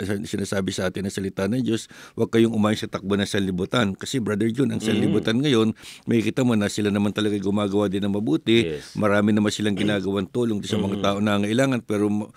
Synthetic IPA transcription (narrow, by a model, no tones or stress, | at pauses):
sɐsɪnaːsaːbɪsɐʔaːt̪ɪnɐŋsɐlɪt̪anɐŋd͡ʒo̞swɐɡ̚kɐjoŋʊmaːjoŋsɐt̪ɐk̚bonɐŋsɐlɪbut̪ankɐsɛbɾɐd̪ɛɹd͡ʒonɐŋsɐlːɪbut̪anŋɐjo̞nmɐjkɪt̪amonɐsɪlanɐmant̪ɐlɐɡajɡʊmaːɡɐwad̪ɪnɐŋmɐbuːt̪ɪmɐɾaːmɪnɐmansɪlaŋɡɪnaːɡɐwant̪uːloŋsɐmɐŋat̪aːʔoŋnɐʔaŋɐʔɪlaːŋɐnpɛːɾo̞m